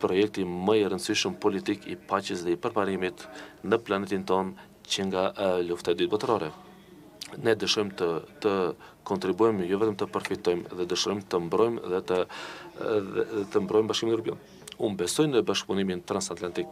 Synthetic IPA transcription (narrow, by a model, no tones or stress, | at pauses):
pɾɔjɛk̚t̪iməiɾənsiʃəmpɔlit̪ikḭpat͡ɕəsðɛipəɾpaɾimit̪nəplanɛt̪int̪ɔn | t͡ɕəŋɡaluft̪at̪d̪yt̪̚bɔt̪ɾɔɾɛ | nɛd̪əʃɔjmt̪ət̪əkɔnt̪ɾibujmjɔvɛt̪əmt̪əpəɾfit̪ɔjmðɛd̪əʃɾɔjmt̪əmbɾɔjmðɛt̪ə | t̪əmbɾɔjmbaʃkimindəɾp̬la̰n | umbɛsɔjnəbaʃk̚punimint̪ɾansat̪lant̪ik̚